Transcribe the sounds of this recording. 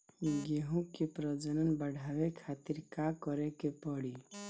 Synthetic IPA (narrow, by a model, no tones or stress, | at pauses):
ɡeɦũkepɾəd͡ʒənənbəɽʱabekʰat̪iɾkakɔɾekepɔɽi